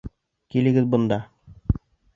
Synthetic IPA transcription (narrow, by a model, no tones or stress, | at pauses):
kilɘ̆ɡɘðbŏnd̪ɑ